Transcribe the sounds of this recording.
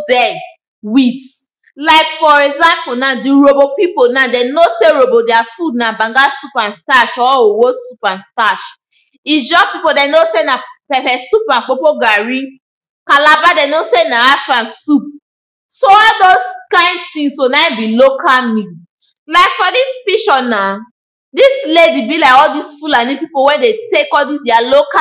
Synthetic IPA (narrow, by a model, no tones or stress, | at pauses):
dɛ | wit | lajkfɔɾɛɡzãmponãdiɾobopiponãdɛnoseɾobodɛafudnãbãŋɡasupãnstaʃɔowosupãnstaʃ | id͡ʒɔpipodɛnosenãpɛfɛsup̚nãk͡popoɡaɾĩ | kalabadɛnosenãafãnsup̚ | soɔdoskãɪ̃ndtĩŋsonãĩbilokalmĩ | laɪkfɔdispiʃɔnã | disledibilaɪkɔdisfulanĩpipowɛdetekɔdisdɛaloka